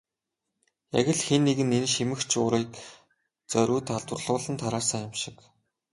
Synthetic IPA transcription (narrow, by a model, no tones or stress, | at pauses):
jæ̰ɣʲɪ̆ɮxenːeɣɘ̆nenʃimɘ̆xt͡ɕʰʊɾiːk | t͡sœɾʲuːt̪ʰaɮt̪wʊ̆rɮʁʊːɮə̆nt̪ʰaɾaːsaːʊmʃɪ̥̆k